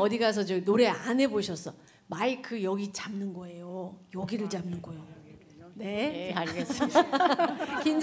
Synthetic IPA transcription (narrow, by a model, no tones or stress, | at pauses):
ʌdiɡas̬ʰʌt͡ɕenoɾe̞anɦe̞boɕʰʌs͈ʰʌ | maikʰɯjʌɡit͡ɕamnɯnɡʌe̞jojʌɡiɾɯɭt͡ɕamnɯnɡʌjo | ne̞aɲiɡes | kind͡ʑ